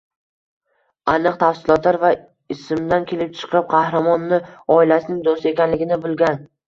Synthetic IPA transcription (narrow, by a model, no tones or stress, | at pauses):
anɨqt̪ʰafsɪlˠɒt̪laɾva | ɪsɪmd̪ankʲʰe̞lɪp̚t͡ʃʰɨ̥qʰɨp̚qʰɑhɾamɒnːɪɒɪlasɪnɪŋd̪ost̪e̞kʲanlɪɡʲɪnɪbʊlˠɡʲan